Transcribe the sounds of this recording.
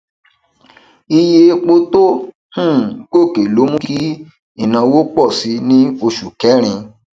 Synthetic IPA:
i˧je˧k͡po˦to˦ | hũ˦˨ko˦˨ke˨lo˨˦mũ˦ki˦ | i˦˨nã˧wo˦k͡pɔ˦˨si˨˦nĩ˦o˧ʃu˨kɛ˨˦ɾ̃ĩ˧

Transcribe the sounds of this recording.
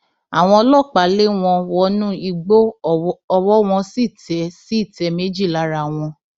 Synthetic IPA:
a˨w̃ɔ̃˧ɔ˧lɔ˦˨k͡pa˨˦le˦w̃ɔ̃˧wɔ˧nũ˦i˧ɡ͡bo˦ɔ˧wɔ˦w̃ɔ̃˧si˦˨tɛ˨˦si˦i˦˨tɛ˨˧˦me˨˦d͡ʒi˦˨la˨˦ɾa˨w̃ɔ̃˧

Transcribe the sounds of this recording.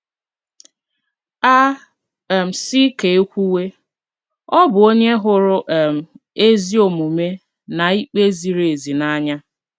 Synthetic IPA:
a˦˨ | m̩˨si˦ke˨e˦kʷu˦we˦ | ɔ˦bʊ˨o˦ɲe˦ɦʊ˨ɾʊ˨ʔm̩˨ | e˦zi˦o˨mu˨me˦ | na˨i˦k͡pe˦zi˨ɾee˨zi˨na˦ɲa˦

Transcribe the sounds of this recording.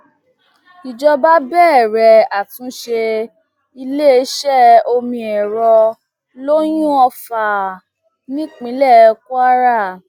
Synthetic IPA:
i˨d͡ʒɔ˧ba˦bɛː˦˨ɾɛ˨a˨tũ˨˦ʃe˧ | i˧le˦˨˦ʃɛ˦˨o˧mĩ˧ɛ˨ɾɔ˧ | lo˦j̃ũ˦ɔ˧fa˨ | nĩ˦k͡pĩ˨˦lɛ˦˨˧ku˦a˦ɾa˦˨

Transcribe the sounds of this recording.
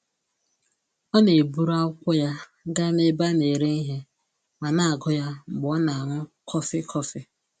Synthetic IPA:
ɔ˦ne˨bu˦ɾa˦kʷʊ˦ja˦ | ɡa˦ne˦ba˦ne˨ɾe˦ni˦ɦe˦ | ma˨na˦a˨ɡʊ˦ja˦ŋ͡m̩˨ɡ͡bʊ˨˦ɔ˦na˨ŋʷʊ˦kʰɔ˦fɪ˦kʰɔ˦fɪ˦

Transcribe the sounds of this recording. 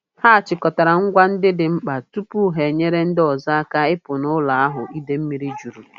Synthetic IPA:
ha˦a˨t͡ʃɪ˨kɔ˨ta˨ɾa˨ŋ̩˦ɡʷa˦n̩˦dɪ˦dɪ˨ŋ͡m̩˦k͡pa˨tu˦pu˦ɦe˨ɲe˦ɾe˦n̩˦dɪ˦ɔ˨za˦a˦ka˦ɪ˦pʊ˨nʊ˦la˨a˦ɦʊ˨ʔi˦de˦m̩˦mi˨ɾi˦d͡ʒu˨ɾu˨

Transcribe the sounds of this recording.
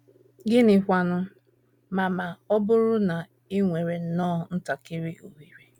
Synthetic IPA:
ɡɪ˦nɪ˨kʷa˦nʊ˦ | ma˨ma˨ɔ˦bʊ˦ɾʊ˦na˨ | i˦ŋʷe˨ɾe˨n̩˦nɔː˦˨n̩˦ta˨kɪ˦ɾɪ˦o˨ɦi˨ɾe˨

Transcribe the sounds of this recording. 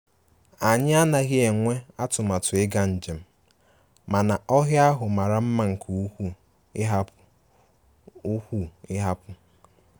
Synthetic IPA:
a˨ɲɪ˦a˦na˨ɣɪ˦e˨ŋʷe˦a˦tʊ˨ma˨tʊ˨ɪ˦ɡa˦n̩˨d͡ʒe˨m̩˦ | ma˨na˨ʔɔ˦ɦja˦ɦʊ˨ma˨ɾa˨m̩˦ma˦ŋ̩˨kʰu˦u˦ | ɪ˦ɦa˦ | u˦hʷu˦˨ɪ˦ɦa˦pʊ˦

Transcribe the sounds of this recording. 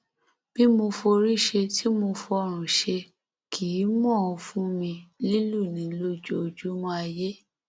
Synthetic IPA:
b̥i˦mo˧fo˧ɾi˦ʃe˧tʰi˦mo˧fo˧ɔ˧ɾ̃ũ˨ʃe˧ | kʰi˨˦mɔ̃˦˨ɔ˧fũ˦mĩ˧li˦lu˦˨nĩ˨˦lo˦d͡ʒo˦o˧˨d͡ʒu˦mɔ̃˧˦a˧je˦

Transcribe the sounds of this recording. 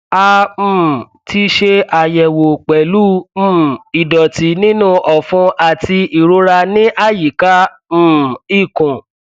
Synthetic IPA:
a˧m̩̃ː˨ | ti˧˦ʃe˧ʔa˨jɛ˨wo˨k͡pɛ˨lu˦m̩ː˦˨i˨dɔ˨ti˨˦nĩ˦nũ˦˨ʔɔ˨fũ˧˦ʔa˨ti˧ʔi˨ɾo˦ɾa˧nĩ˦ʔa˦˨ji˨ka˦ | m̩ː˦˨i˦˨kũ˨

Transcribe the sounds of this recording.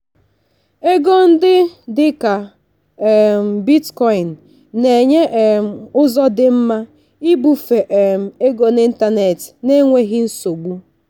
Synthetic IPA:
e˦ɡo˦n̩˦dɪ˦dɪ˦ka˨ | m̩˨bi˦tkɔ˦i˨n̩˨ | ne˨ɲe˦ʔm̩˨ʊ˦zɔ˦dɪ˨m̩˦ma˦ | i˦bu˦fe˨ʔm̩˨e˦ɡo˨ni˦n̩˦ta˦ne˨tne˦ŋʷe˦ɦɪ˦n̩˦so˨ɡ͡bu˦

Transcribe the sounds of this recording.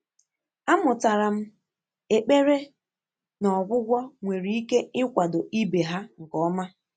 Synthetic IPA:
a˦mʊ˨ta˨ɾa˨m̩˦ | e˨k͡pe˦ɾe˦ | nɔ˨ɡʷʊ˦ɡʷɔ˦ŋʷe˨ɾi˨˦i˦ke˦ɪ˦kʷa˨dʊ˨i˦be˨ɦa˦ŋ̩˨kɔ˨˦ma˦

